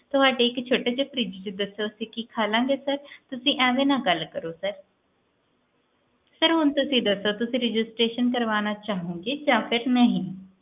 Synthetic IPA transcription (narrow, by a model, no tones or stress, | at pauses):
t̪ʊɦaːɖeːɪkt͡ʃʰoːʈeːt͡ʃepɾiːd͡ʒt͡ʃed̪əsːoːsiːkikʰaːlãːɡeːsəɾt̪ʊsĩːʔɛ̃ːʋẽːnãːɡəlkəɾoːsəɾ | səɾɦʊnt̪ʊsĩːd̪əsːoːt̪ʊsĩːɾɪd͡ʒɪsʈɾeːʃənkəɾʋaːnaːt͡ʃaːɦũːɡeːd͡ʒãːpʰɪɾnə̃ɦĩː